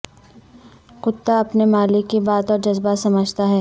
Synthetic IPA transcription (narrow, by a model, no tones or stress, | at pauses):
qʊt̪ːaɐpnemaːlɪkːibaːt̪ɔːɾd͡ʒɐzbasɐməd͡ʒt̪aɦɛː